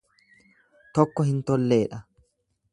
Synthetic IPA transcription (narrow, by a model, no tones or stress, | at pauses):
t̪ɔkːɔhɪnt̪ɔlːe̞ːᶑɐ